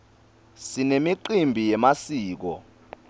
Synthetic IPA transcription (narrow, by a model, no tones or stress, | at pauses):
sinemiǃimbʱijɛmasiːk̬ɔ